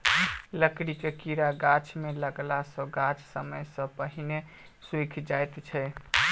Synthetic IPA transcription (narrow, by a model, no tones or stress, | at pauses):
ləkɽikekiɾaɡat͡ʃʰmeləɡlasə̃ɡat͡ʃʰsəməjsə̃pəɦine | swikʰd͡ʒajt̪t͡ʃʰɛj